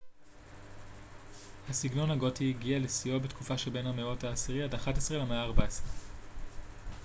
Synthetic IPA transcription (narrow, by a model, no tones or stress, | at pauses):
hasiɡno̞nhaɡo̞tiːɡialesio̞betkufaʃelbe̞nhameo̞thaːsiʁiadaχatesʁelemeaːʁbaesʁe